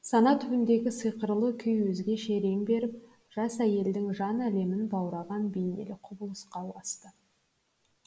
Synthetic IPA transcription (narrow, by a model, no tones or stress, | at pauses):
sɑnɑt̪ʰʏbɪnd̪e̞ɡʲɪsɨjqəɾlˠəkʲʰʏjwɵzɡʲe̞ʃe̞ɾe̞mbe̞ɾɪp̚ | ʒ̥ɑsæje̞ld̪ɪŋʒɑnæle̞mɪnbɑwɾɑʁɑnbejnḛlɪqʰʊbəlˠəsqɑwɑst̪ə